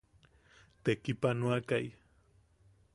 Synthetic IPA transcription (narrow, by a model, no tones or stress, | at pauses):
t̪ekipanuakaj